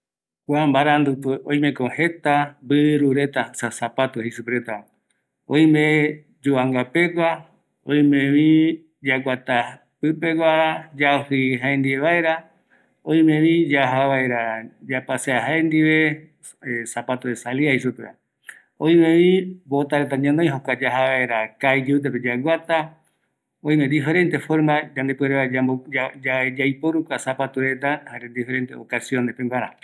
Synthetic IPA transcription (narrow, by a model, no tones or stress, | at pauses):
kʷambaɾand̪upeõj̃mẽkõhe̞t̪abɨʔɾuɾe̞t̪asasapat̪ohesupɾet̪a | õ̰ĩmẽ | d͡ʒuaŋɡape̞kʷa | õj̃mẽβĩ | d͡ʒakʷat̪a | pɨpekʷaɾad͡ʒaohɨɦaend̪ieβaeɾa | õj̃mẽβĩd͡ʒaɦaβaeɾad͡ʒapaseaɦaend̪iβe̞ | esapat̪uɾesaliaiʃupea̰ | õĩmẽβibot̪aɾet̪aɲãnoj̃ɦokʷad͡ʒaɦaβaeɾakajd͡ʒuut̪̬eped͡ʒaɡʷat̪a | õĩmend̪ife̞ɾe̞nt̪efoɾmad͡ʒãnd̪epweɾeβaaod͡ʒad͡ʒajpoɾukʷasapat̪uɾet̪̬ahaɾed̪ife̞ɾe̞nt̪eokasio̞nehpeŋɡʷaɾa